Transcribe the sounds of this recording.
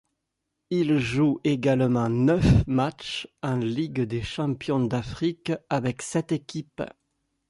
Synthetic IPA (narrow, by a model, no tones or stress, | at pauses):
ilʒueɡalmɑ̃nœfmat͡ʃɑ̃liɡd̪eʃɑ̃pjɔ̃d̪afχikavɛksɛt̪ekʲʰip